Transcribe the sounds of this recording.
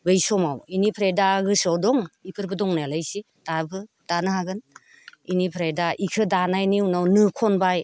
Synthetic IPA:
bɯjsɔmawinipʰɾajdaɡɯsɔwdɔŋipʰɯɾbɯdɔŋnalajsi | d̥abɯ | d̥anɯhaɡɯn | inipʰɾajdaʔikʰɯdanajniwnawnɯkʰɔnbaj

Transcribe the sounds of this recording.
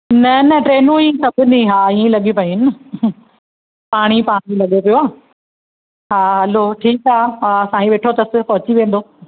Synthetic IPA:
nɐnɐʈɾeːnũĩːkɐbʱɪnĩɦaːĩːlɐɠipɐĩn | paːɽ̃ipaːɽ̃ilɐɠopijoaː | ɦaːɦɐloːʈʰiːkɦaːaːsãːĩʋeːʈʰot̪ɐsɪ̆pɐɦʊt͡ɕiʋẽːn̆d̪oː

